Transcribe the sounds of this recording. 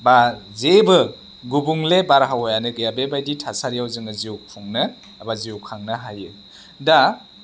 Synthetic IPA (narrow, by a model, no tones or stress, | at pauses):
bazebɯ | ɡubuŋlebaɾɦawɔjanɯɡɯjabebajditʰasaɾijawzɯŋɯziukʰuŋnɯː | baziwkʰaŋnɯɦajɯ | da